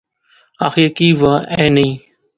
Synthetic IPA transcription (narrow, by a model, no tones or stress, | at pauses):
aːxiːkiːʋaːẽːnĩː